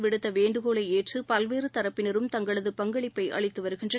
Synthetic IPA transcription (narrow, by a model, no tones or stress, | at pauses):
ʋɪɽɯt̪ːɐʋeːɳɖɯɣoːɭɐɪeːʈrɯpɐlʋeːɾɯt̪ɐɾɐpːɪnɐɾɯmt̪ɐŋɡɐɭɐðɯpɐŋɡɐɭɪpːɐɪʔɐ̰ɭɪt̪ːɯʋɐɾɯɣɪndrɐ